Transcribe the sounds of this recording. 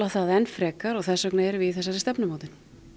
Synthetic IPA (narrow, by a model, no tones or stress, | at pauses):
aθaðɛnfɾɛːkaɾɔɣθɛsœknaɛɾvɪðθɛsːaɾɪst̪ɛpnʏmaːwt̪ɪn̥